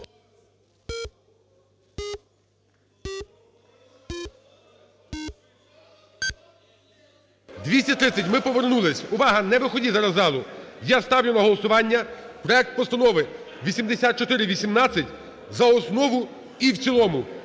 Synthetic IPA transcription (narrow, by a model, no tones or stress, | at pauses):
d̪ʲʋʲisʲtʲɐt̪ɾɪt͡sʲːɐtʲmɪpɔʋernulˠɪsʲʊʋɑɦɐnɛʋɪxɔdʲizɐɾɐzɑlˠʊjast̪ɑwlʲʊnɐɦɔlˠɔsʊʋɑnʲːɐpɾɔɛk̚t̪̚pɔst̪ɐnɔʋɪ | ʋʲisʲimd̪esʲat̪̚t͡ʃɔt̪ɪɾɪʋʲisʲimnɑt͡sʲːɐtʲ | zɐɔsnɔʋʊ | iwt͡sʲilˠɔmʊ